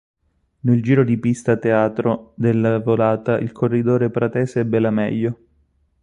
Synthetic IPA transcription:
neld͡ʒiːɾod̪ipist̪at̪eaːt̪ɾod̪elːavolaːt̪aʔḭlkʰorːid̪oːɾepɾat̪ɛːseɛbːelamɛ̰ʎːo

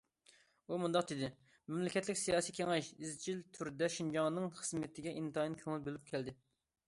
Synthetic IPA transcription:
umund̪ɑq̚d̪ɪd̪ɪ | mɛmlɪkʲʰɛt̪lɪkʲsijɑːsikʲʰeŋɛʃizt͡ʃʰilt̪ʰyɾd̪ɛʃind͡ʒɑŋnɨŋχəzmɪt̪ʰɪɡʲɛʔint̪ʰɑjnkʲʰøŋylbølyp̚kʲʰɛld̪ɪ

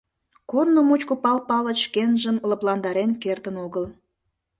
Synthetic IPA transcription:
kornomut͡ɕkopɑlpɑləʃkenʒəmləplɑnd̪ɑɾenkert̪ənoɣəl

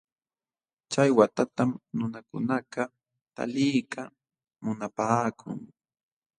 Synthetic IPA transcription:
t͡ʃajwat̪at̪amnʊnakʊ̰naqɑ | t̪a̰lɪjka | mʊnapaːkʰʊ̰ŋ

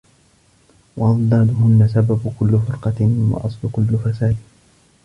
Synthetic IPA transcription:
wɑʔɑðˤd̪ɑːd̪ʊɦʊnːasababʊkʊlːʊfɪɾqɑwɑ̰ʔɑsˤlʊkʊlːʊfasaːd̪

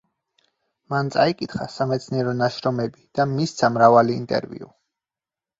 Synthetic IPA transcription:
mant̪sʼaikʼit̪χasamɛt̪sʰniɛɾɔnaʃɾɔmɛbid̪̥amist̪sʰamɾavalḭːnt̪ʼɛ̰ɾvḭṵ

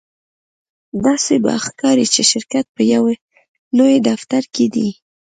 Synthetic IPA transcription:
d̪ɑseba̰xkɑɾit͡ʃeʃɪɾkat̪̚pəjaw | lojd̪aft̪aɾked̪i

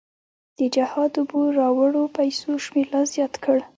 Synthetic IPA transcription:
d̪̥əd͡ʒahɑd̪ʊbuɾɑwəɽopajsoʃmeɾlɑzjɑt̪kʰəɽ

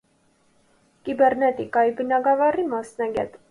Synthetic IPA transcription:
kibɛɾnɛt̪ikɑibənɑɡɑvɑrimɑsnɑɡʲɛ̰t̪

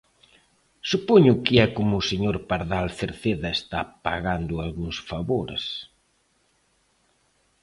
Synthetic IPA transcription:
supoɲʊkɪɛkomʊseɲoɾpaɾðalθeɾθeðɐest̪apa̰ɣand̪ʊalɣuŋsfaβoɾḛs

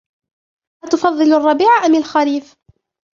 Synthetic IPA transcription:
hat̪ʊfɑðˤːɨlɑrˤːɑbiːʕaʔamɪlxaɾiːf

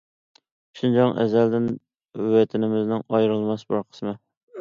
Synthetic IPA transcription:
ʃund͡ʒɑŋʔɛ̰zæld̪ɪn | wɛt̪ʰɪnɪmɪznɪŋɑjɾɨlˠmɑsbɑɾqʰə̥smɨ

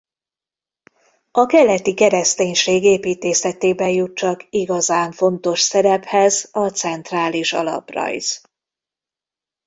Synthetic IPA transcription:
ɒkɛlːɛt̪ikɛɾɛst̪eːɲʃeːɡeːpiːt̪eːsɛt̪eːbɛjjut̪̚t͡ʃɒkiɡɒzaːɱfo̞n̪t̪o̞ʃsɛɾɛphɛzɒt̪sɛnt̪raːliʃɒ̰lɒ̰prɒ̰jz̥

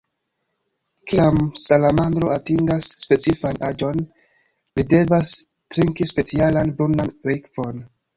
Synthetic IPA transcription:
kiamsalamand̪ɾo̞atiŋɡasːpe̞t͡sifanad͡ʒo̞n | lide̞vas | tɾiŋkispe̞t͡sialanbɾundanɾikvo̞n

